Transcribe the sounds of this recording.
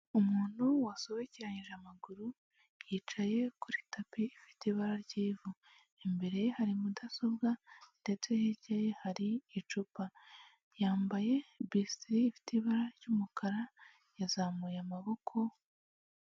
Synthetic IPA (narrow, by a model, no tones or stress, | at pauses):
umuːn̥huwaso̞βeciɾaɲiʒamaɡuɾu | jiːt͡ʃaje̞kuɾitʰapiːfi̥tiβaɾaɾɟiːvu | embe̞ɾe̞haɾimudaso̞bɡande̞t͡seheɟejehaɾiːt͡ʃupa | jaːmbaje̞bistɾiːfi̥tiβaɾaɾɟuːmukʰaɾa | jazamujamaβo̞kʰo̞